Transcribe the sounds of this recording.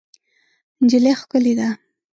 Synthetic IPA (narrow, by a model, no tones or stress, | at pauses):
nd͡ʒɪlexkʊlid̪a